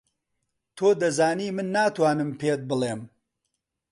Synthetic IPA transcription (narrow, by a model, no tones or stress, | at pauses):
t̪ʰoːd̪ɐzaːniːmɨnːaːt̪waːnɨmpeːt̪̚bɨleːm